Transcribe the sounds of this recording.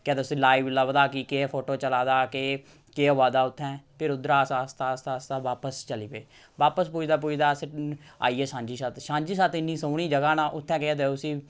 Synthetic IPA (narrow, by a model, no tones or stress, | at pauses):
keːt̪eʊsĩːlaːiːʋlaːʋd̪aːkiːkeːpʰoːʈoːt͡ʃəlaːd̪aːkeː | keːoːaːd̪aːʊt̪ʰːɛ̃ːpʰɪɾʊd̪ɾaːsaːst̪aːst̪aːst̪aːʋaːpəst͡ʃəliːʋeː | ʋaːpəspuːd͡ʒd̪aːp̬uːd͡ʒd̪aːsa̰ːiːɛːsãːɲd͡ʒiːsaːt̪ʃãːɲd͡ʒiːsaːt̪ɪnːiːsoːɽ̃iːd͡ʒəɡaːnaːʔʊt̪ʰːɛ̃ːkeaːt̪eːʊsĩː